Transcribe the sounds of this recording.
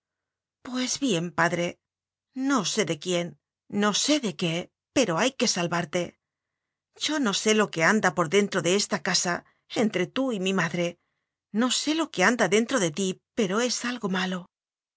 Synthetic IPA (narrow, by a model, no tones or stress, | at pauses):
pwe̞zβje̞mpaðɾe̞ː | o̞se̞ðe̞kje̞nː | o̞se̞ðe̞ke̞ | pe̞ɾo̞ajke̞salβaɾt̪e̞ | ʝo̞no̞se̞lo̞ke̞and̪apo̞ɾðe̞nt̪ɾo̞ðe̞est̪akasa | e̞nt̪ɾe̞t̪uimimaðɾe̞ | no̞se̞lo̞ke̞and̪aðe̞nt̪ɾo̞ðe̞t̪ipe̞ɾo̞e̞salɣo̞malo̞